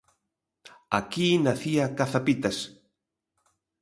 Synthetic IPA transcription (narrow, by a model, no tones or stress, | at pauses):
akinaθiakaθapit̪ɐs